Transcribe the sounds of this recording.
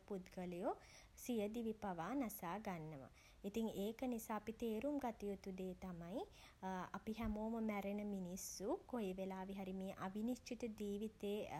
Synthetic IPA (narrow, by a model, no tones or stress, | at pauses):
pud̪ɡələjo | sijəd̪iʋipaʋaːnasaːɡanːəʋa̰ | it̪iŋeːkənisaːpit̪eːɾumɡat̪ijut̪ud̪eːt̪amaj | apiɦæmoːməmæɾenəminisːukojeʋelaːʋiɦaɾimeːʔaʋinist͡ʃit̪ud͡ʒiːʋit̪eː